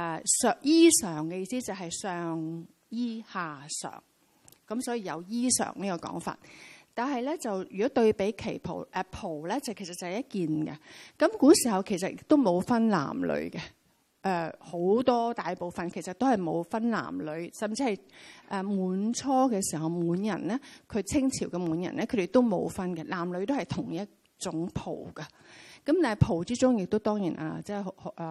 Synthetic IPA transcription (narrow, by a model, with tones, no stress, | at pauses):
ʔɛ˨˩sœː˨k̚jiː˥sœː˨˩ŋkɛ˧jiː˧siː˥t͡sɐ˨wɦɐ˨jsœː˨ŋ | jiː˥haː˨sœ̰ː˨˩ŋ | kɐ˨˥msɔː˨˥jiː˨˧jɐ˨˧wjiː˥sœ̰ː˨˩ŋniː˥kɔː˧kɔ̰ː˨˥ŋfa̰ː˨t̚t̪aː˨nɦɐ˨jlɛː˥t͡sɐ˨wjyː˨kɔː˨˥t̪ɵ˧ɥpe˨˥jkʰe˨˩jpʰo̰˨˩wʔɛ˨˧pʰo˨˩wlɛː˥t͡sɐ˨˩wkʰe˨˩sɐ˨t̚t͡sɐ˨hɛ˨jɐ˥t̚kiː˨nɡɛ̰˧kɐ˨˥mkuː˨˥siː˨˩ɦɐ˨wkʰe˨˩js̬ɐ˨t̚ɪ˨˥t̪ːo˥wmo˨˧wfɐ˥nla̰ː˨˩mlɵ̰˨˧˥ɥɡɛ˧ | ʔɛː˧ho˨˥wt̪ɔː˥t̪aː˨jpo˨˧wfɐ˨nkʰe˨˩jsɐ˨t̪o˥whɐ˨jmo˨˧wfɐ˥nla̰ː˨˩mlɵ˨˧ɥsɐ˨mt͡si˧hɐ˨jʔɛː˧muː˨˧˥nt͡sʰɔː˥kɛː˧siː˨˩ɦɐ˨wmuː˨˧njɐ˨˩nlɛː˥kʰɵ˨˧ɥt͡sʰɪ˥ŋt͡sʰiː˨˩wkɛ˧muː˨˧njɐ̰˨˩nlɛː˥kʰɵ˨˧de˨˩t̪o˥wmo̰˨˧wfɐ˥nkɛ˧laː˨˩mlɵ˨˧ɥt̪o˥hɐ˨jt̪ʰʊ˨˩ŋjɐ˥t̚ | t͡sʊ˨˥ŋpʰo̰˨˩wkɐ˧ | kɐ˨˥mt̪aː˨nhjpʰo˨˩wt͡siː˥t͡sʊ˥ŋjɪ˨k̚t̪o˥wt̪ɔː˥ŋjiː˨˩nʔa̰ː˧t͡sɛː˥˩hʔː